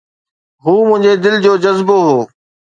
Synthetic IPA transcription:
ɦuːmʊ̃ɦɪ̃ɲd͡ʑed̪ɪld͡ʑoːd͡ʑɐzboɦoː

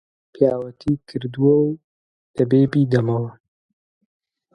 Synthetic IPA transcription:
pijaːwɐt̪ʰiːkʰɨɾd̪uwɐw | d̪̥ɐbeːbiːd̪ɐmɐwɐ

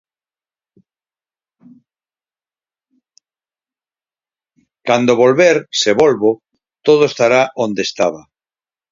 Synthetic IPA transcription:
kand̪oβolβeɾseβolβo | t̪oð̞oest̪aɾaʔõnd̪est̪aβa

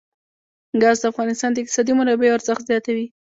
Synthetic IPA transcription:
ɡɑzd̪əafɣɑnɪst̪ɑnd̪əɪq̚t̪ɪsɑd̪imʊɾɑbeoaɾzəxt̪zjɑt̪awi

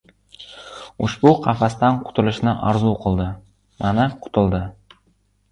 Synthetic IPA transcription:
ʊʃbuqʰɑfast̪anqʰʊ̥t̪ʰʊlˠɪʃnɪʔɑɾzuqʰɨlˠd̪ɪ | manaqʰʊ̥t̪ʰʊlˠd̪ɪ

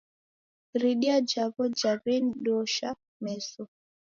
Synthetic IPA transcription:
ɾiɗiad͡ʒaβɔd͡ʒavɛnɗɔʃa | mɛsɔ

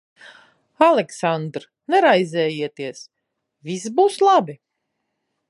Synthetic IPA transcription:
alɛksand̪ɾ | nɛɾajzʲɛːjiɛt̪iɛs | vʲis̬buːslˠabi

